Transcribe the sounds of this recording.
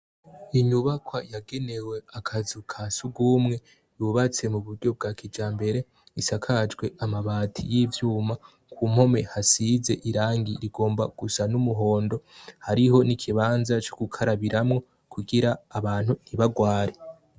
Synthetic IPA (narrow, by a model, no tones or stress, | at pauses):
iɲuβakwajaɡe̞ne̞we̞akʰazukʰasuɡuːmŋe̞ | juβat͡se̞muβuɾɟo̞b̚ɡakʰid͡ʒaːmbe̞ɾe̞ | isakʰad͡ʒɡwe̞ʔamaβaːtʰḭjiːvjuːma | kʰuːm̥ho̞me̞hasize̞ʔiɾaːŋɡiɾiɡo̞ːmbaɡ̥usanumuɦo̞ːndo̞haɾiɦo̞nikʰiβaːnzat͡ʃokukʰaɾaβiɾamŋo̞ | kʰuɡiɾaːβaːn̥huniβaɡwaːɾe